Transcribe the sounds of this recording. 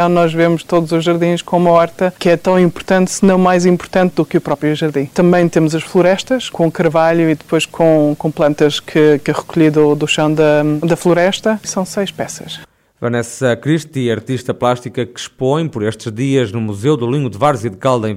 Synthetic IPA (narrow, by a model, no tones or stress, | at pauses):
ɐ̃w̃nɔʒvemuʃt̪oðuzuʒɐɾðĩʃkõumɐɔɾt̪ɐkɛt̪ɐ̃w̃ĩmpuɾt̪ɐ̃nt̪sɨnɐ̃w̃majzĩmpuɾt̪ɐ̃nt̪̚d̪ukɨupɾɔpɾjuʒɐɾðĩt̪ɐ̃mbɐ̃j̃t̪emuzɐʃflˠuɾɛʃt̪ɐʃkõukɐɾvaʎuiðɨpojʃkʰõkõplˠɐ̃nt̪ɐʃkʰɨkɐʁɨkuʎiðud̪uʃɐ̃w̃d̪ɐd̪ɐflˠuɾɛʃt̪ɐsɐ̃w̃sɐjʃpɛsɐ̥ʃ | vɐnɛsɐkɾiʃt̪iɐɾt̪iʃt̪ɐplˠaʃt̪ikɐkɨ̥ʃpõj̃pɔɾeʃt̪ʒðiɐʒnumuzewd̪ulˠĩŋɡud̪ɨvaɾzjiðɨkalˠd̪ɐ̃